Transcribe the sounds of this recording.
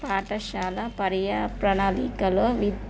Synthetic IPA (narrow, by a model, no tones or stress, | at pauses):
paːʈɐʃaːlɐpɐɾjɐpɾɐɳaːlikɐloːʋid̪